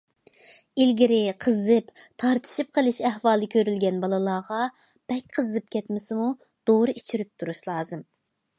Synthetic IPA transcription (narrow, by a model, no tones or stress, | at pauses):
ilɡʲiɾɪqʰəzɨpt̪ʰɑɾt̪ʰɨ̥ʃip̚qʰəlˠɨʃɛhwɑːlˠɨkʲʰøɾylɡʲɛnbɑlˠɨlˠɑːʁɑ | b̥ɛkʲqʰəzɨp̚kʲʰɛt̪mɪsɪmu | d̪̥oɾɨʔit͡ʃʰyɾyp̚t̪ʰuɾuʃlˠɑːzɨm